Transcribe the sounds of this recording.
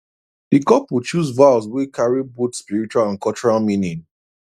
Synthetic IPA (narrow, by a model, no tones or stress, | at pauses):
dikɔpwit͡ʃuzvals̬wekʰaɹibotspiɹit͡ʃualãnkɔlt͡ʃɔɹalmĩnĩn